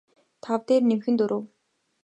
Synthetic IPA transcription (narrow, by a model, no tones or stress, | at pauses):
t̪ʰawt̪eːrnemxɘ̆nt̪ɵɾʔŏw